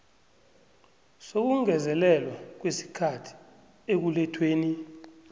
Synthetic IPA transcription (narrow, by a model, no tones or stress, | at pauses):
sok̬uŋɛzɛlɛlwak̬wesi̥kʰatʰi̥ | ek̬ulɛtʰweːni